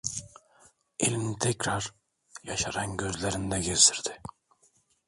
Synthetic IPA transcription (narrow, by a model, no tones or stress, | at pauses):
ilʲmnit̪ʰɛcɾaɾ | jaʃaɾanɟøzlʲeɾind̪ɛɡiɾd̪iɾd̪ɪ